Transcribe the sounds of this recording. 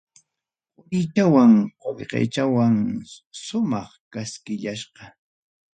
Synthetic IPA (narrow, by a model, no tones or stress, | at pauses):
ʊɾɪt͡ʃawaŋqoʎqḛjt͡ʃawaŋʃʊmɑχkaskɪʎaʃɢɑ